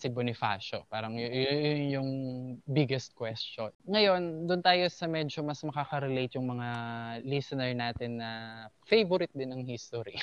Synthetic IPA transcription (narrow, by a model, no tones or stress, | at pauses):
sɪbonɪfa̰ʃopaːɾɐŋjjʊnjʊŋbɪɡɛst̪̚kwɛst͡ʃonŋɐjo̞nd̪ʊnt̪aːjosɐmɛːd͡ʒomɐsmɐkaːkɐɾɛlejt̪jʊŋmɐŋalisɐnɛɹnaːt̪ɪnːɐ | fejvʊɾɪt̪̚d̪ɪnɐŋhist̪oɾi